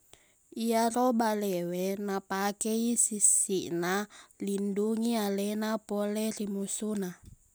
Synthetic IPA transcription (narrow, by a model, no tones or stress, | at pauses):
iarɔbalɛwɛnapakɛisisiʔnalinduŋialɛnapɔlɛrimusuna